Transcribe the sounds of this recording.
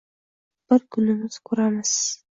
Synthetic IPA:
b̥ɪɾkʰʊnɪmɪz̥kʰʊɾamɪz̥

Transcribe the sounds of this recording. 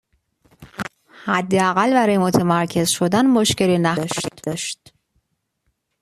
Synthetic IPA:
hæd̪ːeæɣælbæɾɒːjemot̪ʰemæɾcʰe̞zʃo̞d̪ænmoʃce̞linæʃd̪ɒːʃt̪

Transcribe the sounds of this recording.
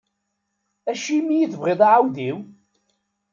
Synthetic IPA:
æʃimːijiθəvʁeðˤɑʕawðiw

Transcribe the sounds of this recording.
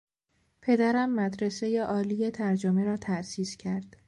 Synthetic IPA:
pʰe̞d̪æɾæmːæd̪ɾese̞je̞ʔɒːlije̞t̪ʰæɾd͡ʒomeɾɒːt̪ʰæsiːscʰæɾd̪̥

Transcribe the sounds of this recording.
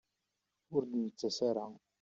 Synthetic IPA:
ʊɾd̪mət͡sːæsaɾa

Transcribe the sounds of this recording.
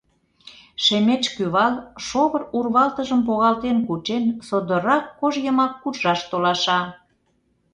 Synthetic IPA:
ʃemet͡ʃkyβɑlʃoβərurβɑlt̪əʒəmp̬oɣɑlt̪enkut͡ʃensod̪ə̆ɾɑkːoʒjəmɑkːurʒɑʃt̪olɑʃɑ

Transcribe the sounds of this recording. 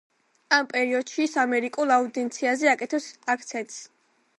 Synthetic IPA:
ampʼɛɾiɔd̪̥ʃisamɛɾikʼulˠaud̪ɛnt̪sʰiazɛakʼɛt̪ʰɔsak̚ʰt̪sʰɛnt̪ʼs

